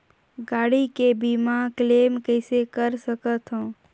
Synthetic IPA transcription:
ɡaːɽikebʱimãkleːmkəɪsekəɾsəkət̪ɦõː

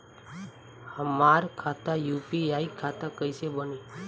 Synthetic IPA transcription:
həmaɾkʰat̪ajupiaikʰat̪akəiʃebəni

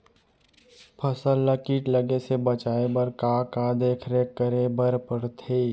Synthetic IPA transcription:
pʰəsəlːəkiːʈləɡesebət͡ʃaːebəɾkakad̪eːkʰɾekəɾebəɾpəɾt̪ʰeː

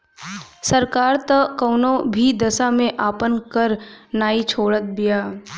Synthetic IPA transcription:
səɾkaːɾt̪əkəʊnõbʱid̪ɐsamẽʔaːpənkəɾnaːit͡ʃʰoːɽət̪̚bijaː

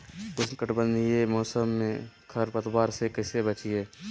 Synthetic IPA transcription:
kʊsnkəʈbə̃nd̪ijemɔːsəmːẽkʰəɾpət̪waːɾsekəɪsebət͡ʃijeː

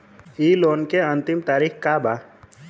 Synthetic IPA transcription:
iːloːnkeə̃nt̪ɪmt̪aːɾixkaba

